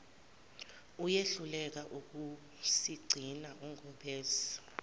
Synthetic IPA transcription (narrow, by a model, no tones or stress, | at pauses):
ujeɬulɛk̬aʔuk̬u | siɡ͡ǀʱinaʔɔŋʱɔɓeːzi̥